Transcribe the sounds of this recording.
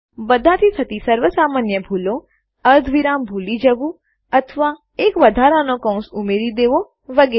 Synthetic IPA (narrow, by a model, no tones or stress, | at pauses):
bəd̪ʱãt̪ʰit̪ʰət̪isəɾʋəsamanjəbʱulo | əɾd̪ʱʋiɾambʱulid͡ʒəʋũ | ət̪ʰəʋa | ekʋəd̪ʱaɾanokə̃w̃sumeɾid̪eʋo | ʋəɡe